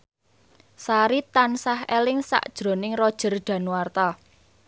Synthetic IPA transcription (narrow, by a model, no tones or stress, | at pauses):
saɾit̪ansahɛlɪŋsa̰ʔd̥ʒ̥ɾo̤nɪŋrɔd̥ʒ̥ə̤rɖ̥ä̤nwart̪a